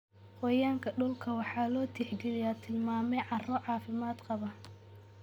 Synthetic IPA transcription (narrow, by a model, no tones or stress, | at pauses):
qɔjaːŋkʰɐɖʊlkʰɐwɑħɑːlɔːt̪ʰiħɡɛlɪjaːt̪ʰɪlmaːmɛjʕɑrɔʕɑːfɪmaːd̪qɑβɐ